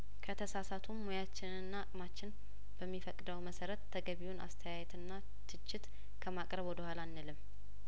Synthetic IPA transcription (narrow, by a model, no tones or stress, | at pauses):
kʰət̪ʰəsasat̪ʰumːojat͡ʃːɪnɨnːakʼmat͡ʃːɪn | b̥əmːifəkʼd̪əwməsəɾət̪ʰːəɡəβiwuna̰st̪ʰəjajɛt̪ɨnːa | t̪ʰɨt͡ʃːɪt̪ | kʰəmakʼɾəβwɔd̪əhʷalanːɨlɨmː